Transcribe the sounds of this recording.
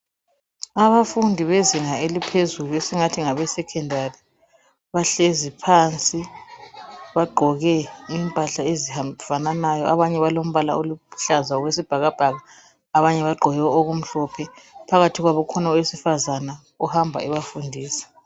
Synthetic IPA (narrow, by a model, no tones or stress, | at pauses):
aβafundʱiβeziŋaelipʰezuluesiŋatʰiŋaβɛsɛkʰɛndʱari | βaɬezipʰant͡sʼi | βaɡ͡ǃʱɔɣɛimpʼaɬaeziafananajɔaβaɲɛβalom̩βala̰oluu̥ɬazaɔɣwes̬ib̥ʱaɣab̥ʱaɣaː | βaɲɛβaɡ͡ǃʱɔjɛwɛoɣum̩ɬɔpʰɛpʰaɣatʰiɣwaβɔkʰɔnaɔwesifazana | uhambʱa̰iβafundʱiːsi̥